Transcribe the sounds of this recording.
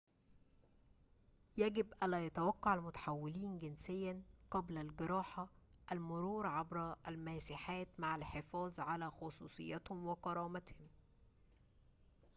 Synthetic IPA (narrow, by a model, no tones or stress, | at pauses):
jæɡɪbʔænlːæːjɑt̪awɑqːɑʕalmʊt̪ḁħawːɪliːnɡɪnsɪjːænqɑblælɡɪɾˤɑːħaʔælmʊɾuːɾʕabɾʔælmæːsiħaːt̪maʕalħɪfɑːzˤʕalæːxɑsˤuːsˤɨ̰jːɑt̪hʊmwɪqɑɾˤɑːmæt̪hʊm